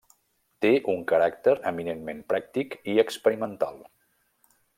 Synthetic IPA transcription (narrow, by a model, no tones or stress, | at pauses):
t̪eʔuŋkəɾak̚t̪əɾəminenmempɾak̚t̪ikiəkspəɾimənt̪a̰lˠ